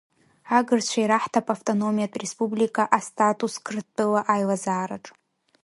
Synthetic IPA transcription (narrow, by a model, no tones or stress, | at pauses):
aɡɨrt͡ɕʷʰajɾaħtʰapʼaftʼonomijatʼrespublikʰʼaʔastʰʼatʼuskʰrtʼɨlaʔajlazaːɾaʈ͡ʂʼ